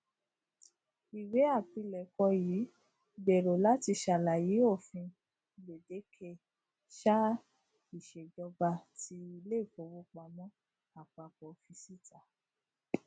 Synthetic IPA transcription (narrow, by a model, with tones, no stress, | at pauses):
i˨we˨˦a˦˨pi˧lɛ˨kɔ˧jiː˨˦ | ɡ͡be˨ɾo˨la˨˦ti˧ʃa˧˨la˨ji˨˦o˦˨fĩ˧ | le˨de˨˦kʰe˧ | ʃa˦ | i˦˨ʃe˨d͡ʒɔ˧ɡ͡ba˧ti˦i˧le˦˨fo˧˦wu˧˦k͡pa˧mɔ̃˦ | a˨k͡pa˨k͡pɔ˨fi˧si˦tʰa˨